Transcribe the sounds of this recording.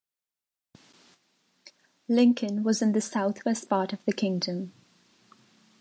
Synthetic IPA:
lɪ̃ŋkʰə̃nwɒzɪ̃nðəsaʊθwɛstpʰɑˑtəvðəkʰɪ̃ŋdə̃m

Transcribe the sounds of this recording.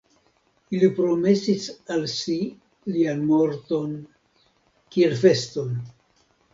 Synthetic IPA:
ilipɾo̞me̞sisalsi | lianmo̞ɾt̪o̞n | kie̞lfe̞sto̞n

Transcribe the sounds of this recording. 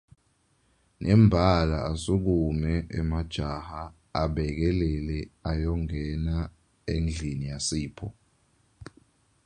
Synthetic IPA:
nʔɛmbʱalaasuk̬umɛʔɛ̰mad̥ʒ̥ʱahaː | ɓɛk̬ɛlɛlɛajɔŋɡʱɛna | end͡ɮʱinijasiːpʰɔ

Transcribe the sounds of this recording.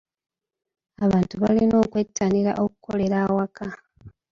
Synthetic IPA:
aβaːntuβalino̞ːkwe̞tʰːaniɾa̰ʔo̞ku̥kʰo̞le̞ɾawakʰa

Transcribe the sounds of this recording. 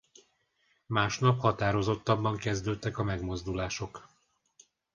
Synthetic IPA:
maːʃnɒphɒt̪aːɾo̞zo̞t̪ːɒbːɒŋkɛzd̪øːt̪ːɛkɒmɛɡmo̞zd̪ulaːʃo̞k

